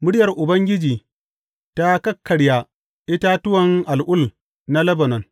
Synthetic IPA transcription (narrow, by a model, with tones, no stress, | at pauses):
mʊ˦ɽɪ˦jɐ˨rʔʊ˨bɐ˦ŋɡʲɪ˦d͡ʒiː˨ | ta˦kɐ˦kʰːɐ˨ɽja˦ | ʔɪ˦ta˦tʊ˦wɐ˨ŋʔa˨lʔʊ˦l | na˦lɐ˦bɐ˨nɔ˨n